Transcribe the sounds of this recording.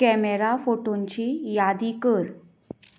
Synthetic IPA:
kɛmeɾafoʈoɲt͡ɕiːjad̪ikəɾ

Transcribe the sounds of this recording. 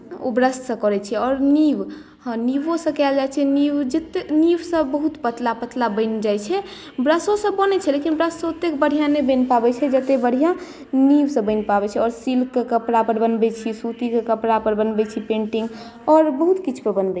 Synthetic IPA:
o̰bɾəssə̃kɔɾɛt͡ʃʰɛɔɾniʋ | hniʋõsə̃kɛld͡ʒajt͡ʃʰɛniʋd͡ʒet̪eniʋsə̃bəɦut̪pət̪lapət̪labəɪnd͡ʒajt͡ʃʰɛ | bɾəsõsə̃bɔnɛt͡ʃʰɛlekinbɾəssə̃ut̪ːekbəɽ̤ʱijãnebə̃npabɛt͡ʃʰɛd͡ʒət̪ebəɽ̤ʱijã | niʋsə̃bəɪnpabɛt͡ʃʰɛɔɾsilkekəpɽapəɾbənbɛt͡ʃʰisut̪ikekəpɽapəɾbənbɛt͡ʃʰipẽɳʈiŋɡ | ɔɾbəɦut̪kit͡ʃʰu̥pəbənbɛ

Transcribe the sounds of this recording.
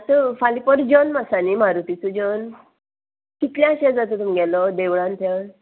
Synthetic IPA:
at̪əfalipəɾd͡ʑənmasanimaɾut̪it͡sud͡ʑən | kit̪ljãɕad͡zat̪ət̪umɡɛlɔd̪eʋɭãnt̪ʰə

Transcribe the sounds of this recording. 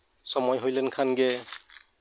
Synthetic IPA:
sɔmɔjɦojlɛnkʰanɡɛ

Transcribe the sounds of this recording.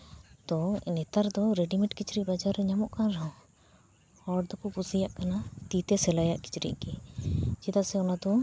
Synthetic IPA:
t̪ɔnɛt̪aɾd̪ɔɾɛɖimɛʈkit͡ʃɾiʔbad͡ʒaɾːɛɲamɔʔkanɾaɔ̃ | hɔd̪ɔpupusijaʔkanat̪it̪ɛsɛlajaʔki̥t͡ʃɾḭʔɡɛd͡ʒid̪asɛɔnad̪ɔ

